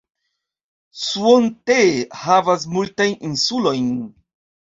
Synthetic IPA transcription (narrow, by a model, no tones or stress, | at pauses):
suontehavas̬multajninsulo̞jn